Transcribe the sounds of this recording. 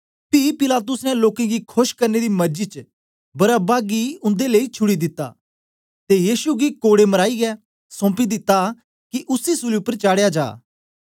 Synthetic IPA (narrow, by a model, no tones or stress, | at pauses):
pipɪlaːt̪̬ʊsnɛloːkẽɡikʰoʃkɐɾned̪imɐɾd͡ʒit͡ʃə | bɐɾabaːɡiʊ̃nd̪eleit͡ʃʰʊɽid̪ɪt̪ːa̰ː | t̪ejiːsuɡikoːɽemɐɾaːiɡɛː | sɔ̃ːpid̪ɪt̪ːa | kiʔʊsisʊliʊpːəɾt͡ʃaːɽejad͡ʒa̰ː